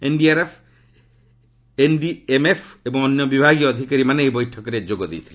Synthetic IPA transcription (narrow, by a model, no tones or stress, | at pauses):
enɖiaɾepʰ | enɖiemepʰebɔŋɔnjɔbibʱaɡijɔːd̪ʱikaɾimaneejbɔjʈʰɔkɔɾed͡ʒoɡɔd̪ḛjt̪ʰile